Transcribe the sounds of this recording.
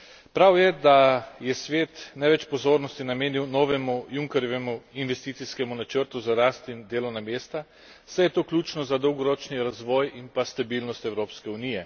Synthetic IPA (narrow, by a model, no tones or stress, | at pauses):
pɾawjɛd̪ajɛsʋeːt̪nɛʋɛt͡ʃpɔzoːɾnɔst̪inameːniwnɔːʋɛmujuŋkɛɾjɔʋɛmuinʋɛst̪iːt̪siskɛmunat͡ʃəɾt̪uzaɾaːst̪ind̪eːlɔwnameːst̪a | sɛjɛt̪oːklʲuːt͡ʃnɔzad̪ɔwɡɔɾɔːt͡ʃniɾazʋɔːjimpast̪abilnɔst̪ɛwɾoːpskɛunijɛ